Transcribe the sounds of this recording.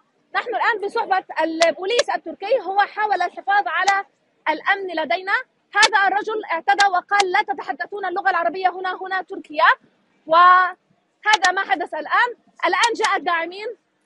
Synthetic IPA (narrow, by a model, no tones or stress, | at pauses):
naħnʊlʔaːnbɪsˤʊħbɑalbuːliːsʔat̪ːʊɾkɪjːɦʊwaħaːwalalħɪfɑːðˤʕala | ʔːlʔamnlad̪ajna | haːðaʔrˤːɑd͡ʒʊlʔɪʕt̪ad̪awɪqɑːlːaːt̪at̪aħad̪ːaθuːnalːʊɣalʕɑɾˤɑbɪjːaɦʊnaɦʊnat̪ʊɾkɪja | wɪ | haːðamaħad̪aθalʔaːn | ʔalʔaːnd͡ʒaːʔat̪̚d̪aːʕɪmiːn